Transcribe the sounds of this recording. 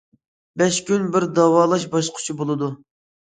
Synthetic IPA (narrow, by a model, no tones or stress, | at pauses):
bɛʃkʲynbɪɾd̪ɑwɑːlˠɑʃbɑʃlˠqʰʊ̥t͡ʃʰibolˠɨd̪u